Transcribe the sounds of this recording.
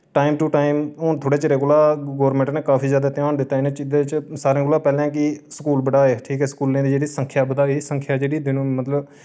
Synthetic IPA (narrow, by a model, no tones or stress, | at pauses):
ʈaːɪmʈuːʈaːɪmoːnt̪ʰoːɽeːt͡ʃɾeːɡʊlaːɡoːɾmɛ̃ɳʈneːkaːpʰiːzjaːd̪aːt̪ɪjãːnd̪ɪt̪ːaːɪnẽːt͡ʃɪd̪et͡ʃsaːɾẽːɡʊlaːpɛːlãːk̬ɪsəkuːlbəɽaːeːʈʰiːkɛːskuːlẽːd̪iːd͡ʒeːɽiːsəŋkʰjaːbəd̪aːiːsəŋkʰjaːd͡ʒeːɽiːd̪ɪñːmət̪ləb